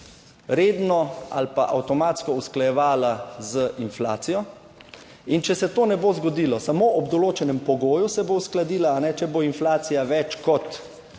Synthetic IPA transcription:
ɾeːd̪nɔa̰lpaʔawt̪ɔmaːt̪skɔusklajɛʋaːlazəʔinfla̰ːt̪sijɔ | int͡ʃɛsɛt̪oːnɛboːzɡɔd̪iːlɔsamoʔɔbd̪ɔloːt͡ʃɛnɛmpɔɡoːjusɛbousklad̪iːlaːnɛt͡ʃɛboinflaːt̪sijaʋɛt͡ʃkɔt̪

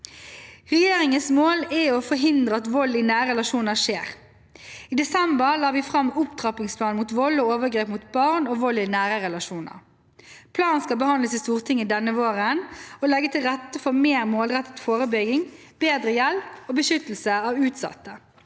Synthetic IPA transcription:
ʁɛjeːɾɪŋənsmoːlɛɔfɔɦɪnd̪ʁəɑt̪ʋɔlːiːnæːɾəɾɛlɑʃuːnəʂeːʁ | iːd̪ɛsɛmbəʁlɑːʋiːfʁɑmːʊpt̪ʰʁɑpɪŋspʰlɑːnmut̪ʋɔlːɔoːʋəɡɾeːpmut̪bɑʁnoːʋɔlːinæːɾəʁɛlɑʃuːnə̰ʁ | pʰlɑːnskɑbəhɑnd̪əsist̪uːʁt̪ʰɪŋːəd̪ɛnəʋoːʁənɔlɛɡət̪ʰɪlʁɛt̪ːəfɔʁmeːʁmoːlʁɛt̪ːət̪foːʁəbʏɡɪŋb̥eːd̪ʁəjɛlpoːbəʃʏt̪əl̩səɑʋʉːt̪sɑ̰t̪ːə

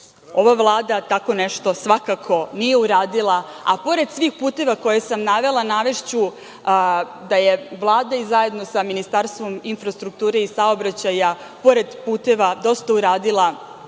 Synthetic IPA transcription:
o̞ʋavlˠaːd̪at̪ako̞neʃt̪o̞sʋakakʰo̞nije̞uɾaːd̪ilˠa | apo̞ɾe̞d̪sʋiːxpuːt̪e̞ʋako̞jesamnaʋe̞lˠanaʋe̞ʃt͡ɕu | d̪aje̞ʋlˠaːd̪aizaje̞d̪no̞saminist̪aɾst̪ʋo̞minfɾast̪ɾuk̚t̪uːɾe̞isaobɾat͡ɕaja | po̞ɾe̞d̪puːt̪e̞ʋad̪o̞st̪auɾaːd̪ilˠa

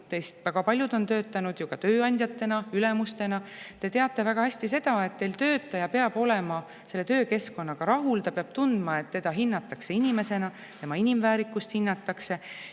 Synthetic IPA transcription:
t̪e̞jst̪væɡ̥ɑpɑlʲjud̪o̞nt̪øːt̪ːˑɑnud̪̥jukɑt̪ø̞ːɑnʲd̪ʲjɑt̪ːe̞nɑylemust̪e̞nɑt̪e̞t̪e̞ɑt̪ːˑe̞væɡ̥ɑhæsʲt̪ise̞d̪̥ɑe̞t̪ːe̞jlt̪ø̞ːt̪ːˑɑjɑpe̞ɑb̥o̞lemɑ | se̞lːe̞t̪ø̞ːke̞sko̞nːɑkɑɾɑɦult̪ɑpeɑb̥t̪und̪̥mɑe̞t̪ːe̞d̪̥ɑɦinːɑt̪ːˑɑkse̞inime̞se̞nɑ | t̪e̞mɑinimvæːɾikːˑust̪hinːɑt̪ːˑɑkse̞

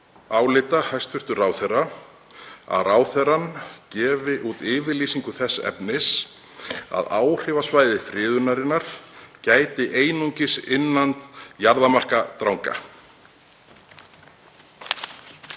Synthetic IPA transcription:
aːwlɪt̪ahajst̪fʏr̥t̪ʏraːwθɛrːa | a̰ðraːwθɛrancɛːvɪʔut̪ɪːvɪliːsiŋkʏθɛsːɛ̰pnɪs | a̰ðaːwr̥ɪvasvaːjðɪfɾɪːðʏnaɾɪnːaɾ̥caːjt̪ɪʔeːjnuɲcɪsɪnːant̪jaɾðamar̥kat̪ɾawŋka̰

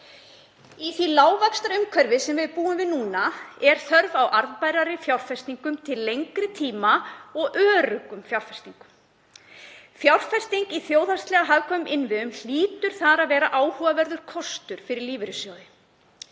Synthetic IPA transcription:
iθilaːwvakst̪aɾʏmkʰvœɾvɪsɛmvɪðpuːʏmvɪðnuːnaɛɾ̥θœɾvawʔaɾðpajɾaɾɪfjawr̥fɛst̪niŋkʏmt̪ʰɪlːejŋkɾɪt̪ʰiːmaɔɣʔœːɾʏkʏmfjawɾr̥fɛ̥st̪iŋkʏm | fjawr̥fɛst̪iŋkiθjoːwðast̪lɛɣaɦavkʰɔːʏmʔɪnvɪðʏml̥iːt̪ʏɾ̥θaɾaðvɛːɾaʔaːwhuːavɛɾðʏɾ̥kʰɔst̪ʏɾ̥fɪɾɪɾliːvʏɾʏsjaːwðɪ

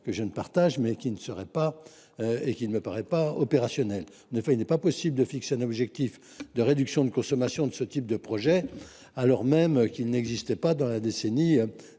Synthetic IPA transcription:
kəʒənəpa̰ʁt̪aʒmɛkʲinəsəʁɛpa | øekilnəməpaʁɛpaɔpeʁasjɔnɛl | ɑ̃nefɛilnɛpapɔsibləd̪əfikseɛ̃nɔbʒɛk̚t̪if | d̪əʁed̪yksjɔ̃d̪əkɔ̃sɔmasjɔ̃d̪əsət̪ip̚d̪əpχɔʒɛ | alɔʁmɛmkilnɛɡzist̪ɛpad̪ɑ̃lad̪eseni

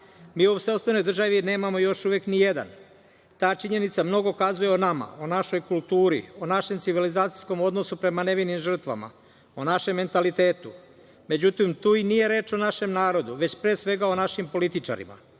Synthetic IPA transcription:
miːoseost̪ʋeno̞jd̪r̩ʒaʋine̞ːmamo̞jo̞ʃuʋeknije̞d̪a̰n | t̪aːt͡ʃiɲe̞nit̪samno̞ɡokazuje̞onama̰onaʃo̞jkulˠt̪uːɾḭonaʃe̞mt̪siʋilizaːt̪sijsko̞mo̞d̪no̞supɾe̞mane̞ʋinimʒr̩t̪ʋa̰ma̰ | onaʃe̞mːe̞nt̪alit̪e̞ːt̪u | me̞d͡ʑut̪imt̪uːinije̞ɾe̞ːt͡ʃo̞naʃe̞mnaːɾo̞d̪uʋe̞t͡ɕpɾeːsʋe̞ɡao̞naʃimpo̞lit̪it͡ʃa̰ɾḭma̰

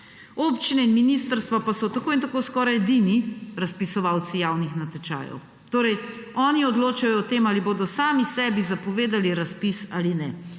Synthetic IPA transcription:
opt͡ʃinɛinminist̪əɾst̪ʋapasɔt̪akoːint̪akoːskɔːɾajɛd̪iniɾɐspisɔʋawt̪sijawnixnat̪ɛt͡ʃa̰ːjɔ̰w | t̪oːɾɛj | ɔːniɔd̪loːt͡ʃajɔːt̪emaːliboːd̪ɔsaːmisɛbizapɔʋeːd̪aliɾaspisa̰ːlinɛ

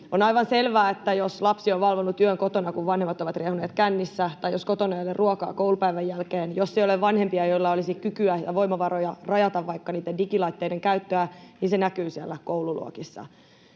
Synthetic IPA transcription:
onɑiʋɑnselʋæːet̪ːæjoslɑpsioʋʋɑlʋonːut̪yøŋkot̪onɑkuʋʋɑnhemːɑt̪oʋɑt̪riehuneːt̪kænːisːæt̪ɑjjoskot̪onɑjolerruokɑ̰ːkoulupæiʋæjːælkeːnjosːejoleʋʋɑnhempiɑjoilːɑolisikykyæjɑʋoimɑʋɑɾojɑrɑjɑt̪ɑʋʋɑikːɑniːt̪ːendikilɑit̪ːeideŋkæyt̪ːøæninsenækyːsiælːækoululṵo̰kisːɑ̰

